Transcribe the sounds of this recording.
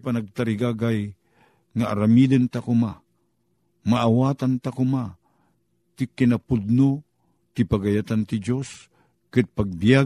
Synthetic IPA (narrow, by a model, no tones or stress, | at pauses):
panaɡ̚t̪aɾiɡaɡaj | ŋaʔaɾamid̪ɨnt̪akʊma | maʔːwaːt̪ant̪akʊma | t̪ikinapud̪̚no | t̪ɪpaɡajat̪ant̪id͡ʒos | kɨd̪̚paɡ̚bia